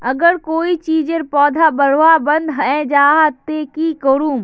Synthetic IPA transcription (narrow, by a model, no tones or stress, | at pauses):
ɐɡəɾkoːit͡ʃiːd͡ʒəɾpɔːd̪ʱabɐɽ̤ʋabɐ̃nd̪ɦɐɛ̃ːd͡ʒaːɦat̪eːkiːkoɾũːm